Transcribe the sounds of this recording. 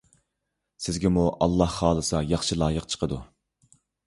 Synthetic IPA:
sɪzɡʲɛmuʔɑlˠːɑhːɑːlˠɨsɑjɑχʃilˠɑːjəqt͡ʃʰə̥qʰəd̪u

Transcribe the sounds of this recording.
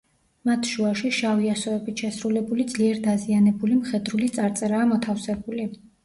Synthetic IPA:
mat̪ʰʃuaʃiʃaviasɔɛbit̪ʰʃɛsɾulɛbulid̪zliɛɾd̪azianɛbulimχɛd̪ɾulit̪sʼaɾt̪sʼɛɾaːmɔt̪ʰafsɛbuli

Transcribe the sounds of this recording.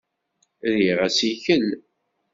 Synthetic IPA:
ðiʁæsiçəl

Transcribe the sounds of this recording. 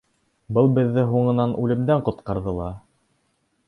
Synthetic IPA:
bɤlˠbɘ̆ðːɘɦuɴɤ̆nɑnʔʉlɘ̆md̪æɴqŏt̪qɑɾðɤlˠɑ

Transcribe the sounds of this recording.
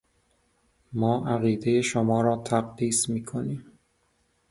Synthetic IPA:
mɒːʔæɣiːd̪ejeʃomɒːɾɒːt̪ʰæɣd̪iːsmiːkʰoniːm

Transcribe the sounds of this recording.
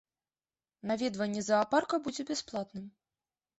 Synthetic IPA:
navʲɛd̪vɐnʲːɛzɐːparkɐbud͡zʲɛbʲɛsplˠat̪nɨm

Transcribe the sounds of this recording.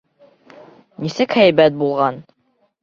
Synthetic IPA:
nisɘkhæjbæt̪̚bulˠʁɑn

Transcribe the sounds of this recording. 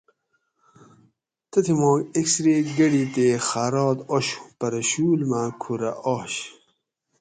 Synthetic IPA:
t̪ɐt̪ʰimoːɡeksɾeɡɐɽit̪exaːɾoːt̪oɕu̥pɐɾɐɕuːlmakʰuɾɐʔoɕ

